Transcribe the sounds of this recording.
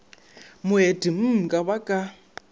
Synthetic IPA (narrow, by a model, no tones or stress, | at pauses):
mʊɦed̥im̩kʼaβakʼa